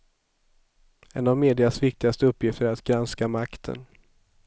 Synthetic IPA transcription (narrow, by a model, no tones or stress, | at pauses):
ɛnavmeːd̪ɪasvɪk̚t̪ɪɡast̪əɵpːjɪft̪əɾɾat̪ɡɾanskamakt̪ʰə̰n